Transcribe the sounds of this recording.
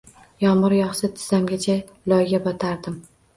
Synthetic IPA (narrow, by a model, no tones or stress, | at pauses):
jɒmʊɾjɒχsat̪ʰɪ̥z̥amɡʲat͡ʃʰa | lɒjɡʲabɒt̪ʰaɾd̪ɪm